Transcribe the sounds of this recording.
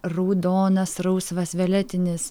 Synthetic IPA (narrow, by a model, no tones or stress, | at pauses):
ɾuːd̪oːnɐsɾɐʊsʋɐsʋʲɛlʲɛt̪ʲɪnʲɪs